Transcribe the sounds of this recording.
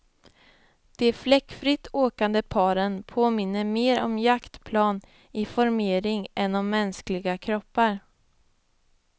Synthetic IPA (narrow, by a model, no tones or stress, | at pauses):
d̪̥ɛflɛkːfɾɪt̪ːoːkand̪əpʰɑːɾənpʰoːmɪnːəɾmeːɾɔ̰mjakt̪pʰlɑːn | ɪfɔɾmeːɾɪŋɛnːɔmːɛnsklɪɡakʰɾɔpːaɾ